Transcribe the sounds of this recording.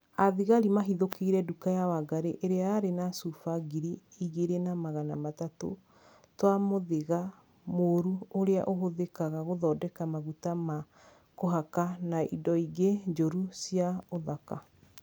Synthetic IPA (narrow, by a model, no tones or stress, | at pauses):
aðiɣaɾimaɦiðokiiɾɛdukajawaɡaɾeʔeɾeaːɾenasufaɡiɾiiɣeɾenamaɣanamatato̰ | twamoðeɣa | moɾuoɾea̰ʔoɦoðekaɣaɣoðɔːdɛkamaɣutama | koɦakanaḭdɔiɣed͡ʒoɾusiaoðaka